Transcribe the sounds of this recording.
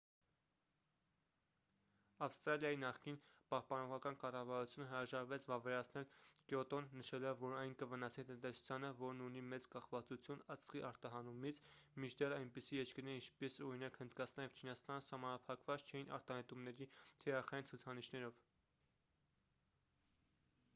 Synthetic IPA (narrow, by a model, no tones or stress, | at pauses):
ɑfst̪ɾɑljɑjinɑχkinpɑhpɑnɔʁɑkɑnkɑrɑvɑɾut͡sʰjunəɦəɾɑʒɑɾvɛt͡sʰvɑvɛɾɑt͡sʰnɛlkjɔt̪ɔnːəʃɛlɔvːɔɾɑjnkəvənɑsnit̪ənt̪ɛsu̥t͡sʰjɑnəvɔɾnunimɛt͡skɑχvɑt͡sut͡sʰjunət͡sχiʔɑɾt̪ɑɦɑnumit͡sʰmit͡ʃʰd̪ɛrɑjnpisijɛt͡ʃkəɾnɛint͡ʃʰpɛsɔɾinɑkhənd̪kɑt͡sʰnɑnjɛvt͡ʃʰinɑst̪ɑnəsɑhmɑnɑpʰɑkvɑt͡st͡ʃʰɛjinʔɑ̰ɾt̪ɑhɛt̪umnɛɾit̪ʰɛɾɑχɑjint͡sʰut͡sʰɑniʃnɛɾɔv